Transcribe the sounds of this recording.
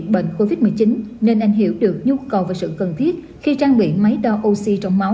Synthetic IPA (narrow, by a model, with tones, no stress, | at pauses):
ɓə̰˧˨ŋ̟ko˧vi˦˥t̚mɨ˨˩əjt͡ɕi˨˦nne˧nʔa˧jŋ̟ɦḭ˧˩əwɗɨ˨˩ək̚ɲu˧kə˨˩wvaː˨˩sɨ̰˧˨kə˨˩nt̪ʰi˦˥ət̚ | xi˧t͡ɕaː˧ŋɓḭ˧˩˨ma˨˦jɗɔ˧ʔo˧si˧t͡ɕɔ˧wŋ͡mma˨˦w